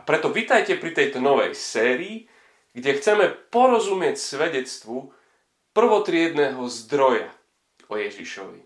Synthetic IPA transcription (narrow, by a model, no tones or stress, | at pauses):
apɾɛt̪ɔʋit̪ajcɛpɾit̪ɛjt̪ɔnɔʋɛ̰jsɛːɾiː | ɡɟɛxt͡sɛmɛpɔɾɔzumɪɛcsʋɛɟɛt͡st̪ʋu | pr̩ʋɔt̪ɾɪɛd̪nɛːɦɔzd̪ɾɔja̰ | ɔjɛʒiʃɔ̰ʋḭ